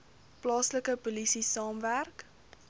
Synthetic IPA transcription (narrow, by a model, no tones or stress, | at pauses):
plɑːsləkəpolisisɑːmværk